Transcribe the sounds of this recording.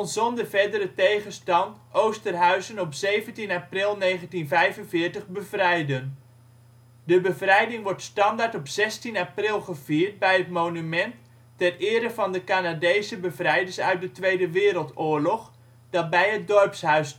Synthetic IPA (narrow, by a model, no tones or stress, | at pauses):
nzɔndəvɛɹdəɾətejχənstɑntʔowstərɦœɥzənɔpsejvəntinaprɪlˠnejχəntinvɛjvənvɪːɹtəχbəvrɛjdən | dəbəvrɛjdɪŋʋɔɹtstɑndaːɹtɔpz̥ɛstinaprɪlˠχəv̥iːɹt̚bɛjɦətmownymɛntː | ɛrɪːɾəvɑndəkanadejsəbəvrɛjdəɹsœ̰ɥt̚dətʋejdəʋɪːɾəlˠtʊːɹlɔχ | d̥ɑt̚bɛjɦət̚dɔrpsɦœɥs